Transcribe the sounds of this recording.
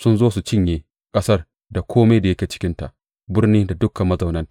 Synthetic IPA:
sʊ˦nzoː˦su˨t͡ʃɪ˦ɲjeː˨ | kʼɐ˦sɐ˦r | da˨kʷʰoː˦ma˦da˨jɐ˦kʲeː˨t͡ʃɪ̥˦kʲɪ˦nta̰˨ʔ | bɪ˦rniː˦da˨dʊ˦kːɐ˨mːɐ˦zɐ˨wnɐ˦n

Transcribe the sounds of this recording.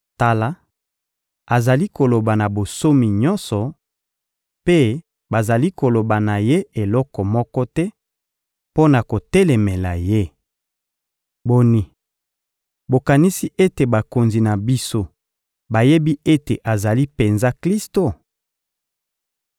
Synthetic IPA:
ta˨la˦ | a˨za˨li˦ko˨lo˨ba˨na˨bo˨so˦mi˨ɲɔ˦nsɔ˨ | pe˦ | ba˨za˨li˦ko˨lo˨ba˨na˨je˦e˨lɔ˦kɔ˨mɔ˦kɔ˦tɛ˦ | po˦na˨ko˨tɛ˦lɛ˨me˨la̰˨je˦ | bo˦ni˨ | bo˨ka˨ni˦si˦ʔe˦te˨ba˨ko˨nzi˨na˨bi˦so˦ | ba˨je˦bi˦ʔe˦te˨ʔa˨za˨li˦pe˨nza˦kli˦sto˨

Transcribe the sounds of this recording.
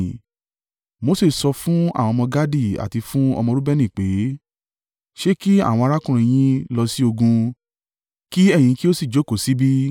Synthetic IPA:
mo˨˧˦se˦˨sɔ˧fũ˦a̰˦˨wɔ̃˧mɔ̃˧ɡa˦di˦˨a̰˨ti˧fũ˦ɔ̰˧mɔ̃˧ɾu˦bɛ˦nĩ˦˨k͡pe˨˦ | ʃe˦ki˦a̰˦˨w̃ɔ̃˧a˧ɾa˦kũ˦ɾ̃ĩ˧j̃ĩ˦lɔ˧si˦o˧ɡũ˧ | ki˦ɛ̃˦˨ĩ˨˧ki˦o˦si˦˨d͡ʒo˨˦˨ko˨si˨˦bi˦

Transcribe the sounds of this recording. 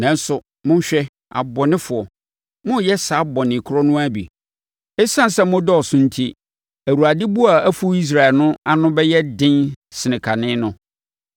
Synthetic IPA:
nã˨n̩˦sʊ˨ | mʊ̃˦ɲ̩˦ɕᶣɛ˦ | a̰˨bɔ˨nɪ̃˦fʊ˨ɔ˨ | mʊ̃˦jɛ˦sa˨˦bɔ˨nɪ̃˨kʰʊ˦ɾɔ˦nʊ̃˦æ˦bḭ˨ | ɛ˦sã˦n˨sɛ˦mʊ̃˦dɔ˦ɔ˨sʊ̃˦n̩˦tʰi˦ | æ˨wu˨a˨dɪ˦bu˦a˨æ˦fu˦i˦s̬ɾa˨lnʊ̃˦a˦nʊ̃˦bɛ˦jɛ˦dɪ̃˦nsɪ˨nɪ̃˨kʰa˨nɪ̃˦nʊ̃˦

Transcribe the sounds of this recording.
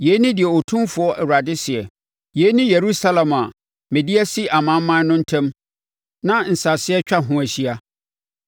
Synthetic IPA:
jɛ˨˦nĩ˦dɪ˨ɛ˨o˨tʰũ˦fʊ˦ɔ˦ʔɛ˨wɾa˨dɪ˦sɪ˨ɛ˨ | je˨˦nĩ˦je˨ɾu˦sa˦lã˨ma˨ | mɛ̃˨di˦æ˦si˦ʔa˨mã˦m˦mã˦nʊ̃˦n̩˦tʰɛ̃˦m | nã˦n̩˨sa˨sɪ˦ɛ˦t͡ɕᶣa˦ɦʊ̃˦æ˨ɕi˦a˦

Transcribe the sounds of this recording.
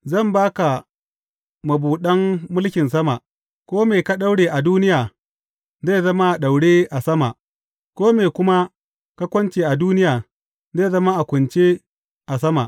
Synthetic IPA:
zɐ˦˨mbaː˦ka˨ | mɐ˨buː˨ɗɐ˦mːʊ˦lkʲɪ˨ns̬ɐ˦ma̰˨ʔ | kʷoː˦meː˨ka˦ɗa˦wɽeː˨ʔa˨duː˦nɪ˦jaː˨ | za˦˨zɐ˦ma˦ʔa˨ɗa˨wɽeː˦ʔa˨sɐ˦ma̰˨ʔ | kʷoː˦meː˨kʷʊ˦ma˦ | ka˦kʷɔ˦nt͡ʃeː˨ʔa˨duː˦nɪ˦jaː˨ | ze˦˨zɐ˦ma˦ʔa˨kʷʊ˨nt͡ʃe˦ | ʔa˨sɐ˦ma̰˨ʔ

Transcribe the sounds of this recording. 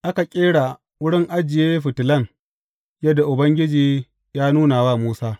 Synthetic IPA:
ʔa˦ka˨kʲʼeː˦ɽa˨ | wʊ˦ɽɪ˦ŋʔa˦d͡ʒɪ˨jeː˦ɸɪ˨tɪ˨lɐ˦ŋ | jɐ˦dːa˨ʔʊ˨bɐ˦ŋɡʲɪ˦d͡ʒiː˨ | jaː˦nuː˦naː˨waː˦˨muː˦saː˦

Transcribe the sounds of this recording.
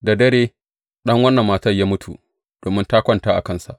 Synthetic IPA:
da˨dɐ˦ɾeː˦ | ɗɐ˦ŋwɐ˦nːɐ˨mːaː˨tɐ˦rjaː˦mʊ˦tʰṵ˨ | d̥oː˨mɪ˦ntaː˦kʷɐ˦ntaː˦ʔa̰˨kɐ˦˨nsa̰˨ʔ

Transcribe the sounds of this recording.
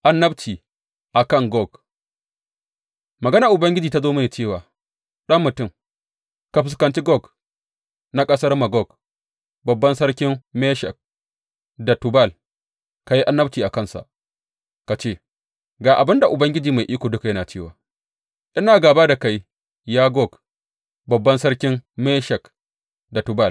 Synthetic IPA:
ʔa˨nːɐ˦bt͡ʃiː˨ | ʔa˨kɐ˦˨ŋɡɔ˦˨ɡ | mɐ˨ɡɐ˦naː˨ʔʊ˨bɐ˦ŋɡʲɪ˦d͡ʒiː˨ta˦zoː˦mɐ˦neː˨t͡ʃeː˦˨waː˨ | ɗɐ˦mmːʊ˨tʊ˦˨m | ka˨ɸɪ˨skɐ˨nt͡ʃi˦ɡɔ˦˨ɡ | na˦kʼɐ˦sɐ˦rma˨ɡɔ˦˨ɡ | bɐ˨bːɐ˦nsɐ˦rkʲɪ˦mmeː˦ʃɛ̰˨k̚ | da˨tʊ˨ba˦˨l | ka˨ji˦ʔa˦nːɐ˦b̚t͡ʃiː˨ʔa˨kɐ˦˨nsa̰˨ʔ | ka˨t͡ʃeː˦˨ | ɡaː˨ʔa˨bɪ˦nda˨ʔʊ˨bɐ˦ŋɡʲɪ˦d͡ʒiː˨ma˨jʔiː˦kʷoː˨dʊ˦ka˨jɐ˦naː˨t͡ʃeː˦˨wa̰ː˨ | ʔɪ˦naː˨ɡaː˨baː˦da˨ka˦j | jaː˦ɡɔ˦˨k | bɐ˨bːɐ˦nsɐ˦rkʲɪ˦mme˦ʃɛ˨k | da˨tʊ˨ba˦˨l

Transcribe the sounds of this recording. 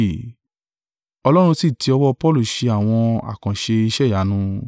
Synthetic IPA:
ɔ˧lɔ˦ɾ̃ũ˧si˦˨tʰi˧˦ɔ˧wɔ˦˧pɔ˦lu˦˨ʃe˧a˦˨w̃ɔ̃˧a̰˦˨kã˨ʃe˧i˧ʃɛ˦˨ja˨˦nũ˧

